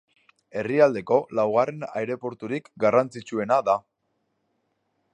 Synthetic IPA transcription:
e̞riald̪e̞ko̞lawɣ̞are̞na̰jɾe̞po̞ɾt̪uɾikɡarant͡sit͡sue̞naða

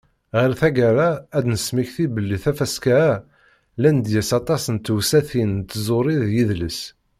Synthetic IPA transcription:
ʁəɾθæɡæɾaæd̪nəsmiçθibəlːiθæfæskææ | lænd̪jæsɑt̪ˤɑsənt̪wsæθint̪ːzˤoɾˤiðjiðləs

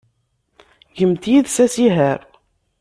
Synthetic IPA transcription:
ʝəmt̪jiðsæsiɦəɾ

